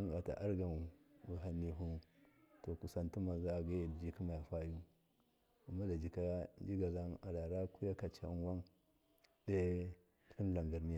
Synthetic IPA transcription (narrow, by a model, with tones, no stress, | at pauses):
a˦ŋɡa˨ta̰˨ʔa˦ɾɡa˨m˨wu˨ɦa˨nːi˦ɦu˦to˨ku˨sa˨ntu˦ma˨za˦˨ɡa˦˨dd͡ʒi˦ki˦ma˨ja˨fa˦ju˦ | a˨ma˦da˨d͡ʒi˨ka˦nd͡ʒi˦ɡa˨za˦na˨ɾa˨ɾa˦ku˦ja˦ka˨t͡ʃa̰˨˦n˦wa˦n | de˦˨ | ki˦n˦la˨ŋɡa˨ɾni˦ja˦˨